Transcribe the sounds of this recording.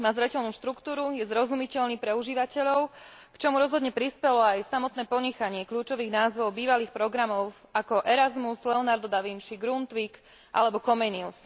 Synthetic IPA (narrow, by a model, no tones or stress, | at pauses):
maːzɾɛcɛʎnuːʃt̪ɾukt̪uːɾujɛzɾɔzumicɛʎniːpɾɛuʒiːʋacɛʎɔʊkt͡ʃɔmuɾɔzɦɔd̪ɲɛpɾispɛlɔajsamɔt̪nɛːpɔɲɛxaɲɪɛkʎuːt͡ʃɔʋiːɣnaːzʋɔʊbiːʋaliːxpɾɔɡɾamɔʊ | ʔakɔʔɛɾazmuslɛɔnaɾd̪ɔd̪aʋint͡ʃiɡɾunt̪ʋiːk | ʔa̰lɛbɔkɔmɛːnius